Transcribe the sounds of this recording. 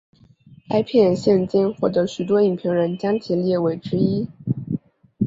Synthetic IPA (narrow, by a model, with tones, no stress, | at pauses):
kʰa˥ɪpʰjɛ˥˧nɕjɛ˥˧nt͡ɕi˥nxwɔ˥˩t̪ɤ˧˥ɕy˨˩t̪wɔ˥i˨˩ŋpʰi˧˥ŋɻə˧˥nt͡ɕjɑ˥ŋt͡ɕʰi˧˥ljɛ˥˩we˧˩ɪʈ͡ʂɻ̩˥i˥